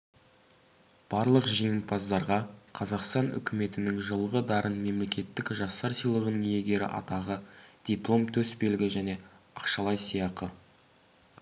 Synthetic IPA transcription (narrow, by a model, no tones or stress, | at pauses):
b̥ɑɾlˠəqʒeŋʲɪmpʰɑzd̪ɑɾʁɑqʰɑzɑqst̪ɑnʏ̰kʲɪme̞t̪ɪnɪŋʒəlˠəʁəd̪ɑɾʔənme̞mle̞kʲe̞t̪ːɪkʒɑst̪ɑɾsijlˠəʁənəŋje̞ɡʲe̞ɾɪ̰ʔɑ̰t̪ɑʁəd̪̥iplˠo̞mt̪ʰɵsbelɡʲɪʒæne̞ | ɑqʃɑlˠɑjsijɑqə